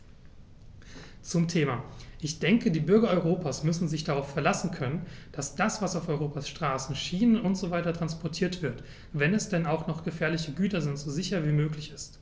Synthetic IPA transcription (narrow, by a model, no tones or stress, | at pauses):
t͡sʊmtʰeːmaʔɪçd̥ɛŋkədiːbʏɐɡɐɔʏʁ̞oːpʰaːsmʏsn̩zɪçd̥aʁaʊffɛɐlasn̩kʰœnənd̥asd̥asv̥asaʊfɔʏʁoːpasʃtʁ̥aːsn̩ʃiːnənʊntz̥ovaɪtɐtʁ̥anspɔɐtʰiːɐtv̥ɪɐt | vɛnɛsd̥ɛnaʊxnɔχɡ̥əfɛːɐlɪçəɡyːtɐzɪntz̥ozɪçɐviːmøːklɪçɪst